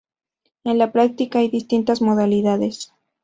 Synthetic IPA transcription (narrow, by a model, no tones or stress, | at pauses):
enlapɾak̚t̪ikaajðist̪int̪azmoðaliðaðes